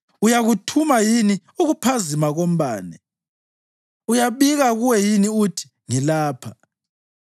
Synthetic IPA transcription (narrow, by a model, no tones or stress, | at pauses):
ujaɣutʰumajini | uɣupʰazimaɣom̩ɓaːnɛ | ujaβiɣaɣuwɛjiniutʰi̥ | ŋilaːpʰa